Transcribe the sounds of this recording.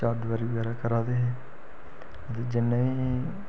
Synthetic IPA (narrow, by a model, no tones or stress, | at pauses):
aːɖʋəɾiʋɛɾaːkəɾaːd̪eːɦeː | ət̪eːd͡ʒɪnːeĩː